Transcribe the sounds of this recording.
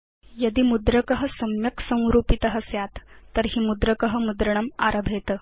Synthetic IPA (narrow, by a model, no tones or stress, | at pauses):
jəd̪iːmud̪ɾəkəɦəsɐmjəksə̃w̃ɾuːpit̪əɦəsjat̪ːəɾɦiːmud̪ɾəkəɦəmud̪ɾəɳ̃əma̰ɾəbʱet̪ə